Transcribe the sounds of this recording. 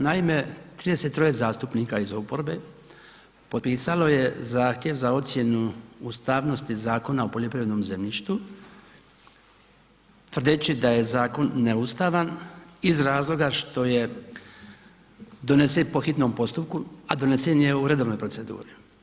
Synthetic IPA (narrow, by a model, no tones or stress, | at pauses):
naime̞t̪ɾiːd̪e̞set̪ːɾo̞jezaːst̪upniːkaizopo̞ɾbe̞ | pot̪piːsalo̞je̞zaːxt̪je̞ʋzao̞t̪sje̞nuust̪aːʋno̞st̪izaːko̞naopoʎo̞pɾiʋed̪no̞mze̞mʎiʃt̪u | t̪ʋr̩d̪et͡ɕid̪aje̞zaːko̞nːeust̪aʋanizɾaːzlo̞ɡaʃt̪o̞je̞ | d̪o̞nesepo̞xit̪no̞mpo̞st̪up̚kuad̪o̞nesenje̞uɾe̞d̪o̞ʋnojpɾo̞se̞d̪ṵːɾi